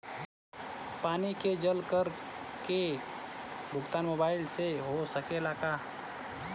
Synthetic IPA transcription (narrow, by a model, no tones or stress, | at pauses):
paːniked͡ʒəlkəɾke | bʱʊɡt̪aːnmoːbaːɪlseɦosəkelaːkaː